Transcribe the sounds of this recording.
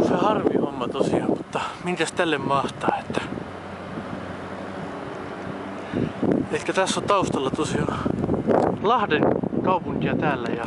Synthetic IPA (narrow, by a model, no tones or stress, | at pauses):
sehɑrʋihomːɑt̪osiɑːmmut̪ːɑmiŋkæst̪ælːemmɑht̪ɑːe̥t̪ːæ̥ | ek̪ːæt̪æsːont̪ɑust̪ɑlːɑt̪osiɑː | lɑhdenkɑupuŋkiɑt̪æːlːæjɑ